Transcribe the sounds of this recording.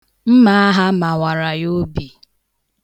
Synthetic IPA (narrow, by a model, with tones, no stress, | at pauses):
m̩˦ma˦a˦ɦa˦ma˨wa˨ɾa˨jo˦bi˨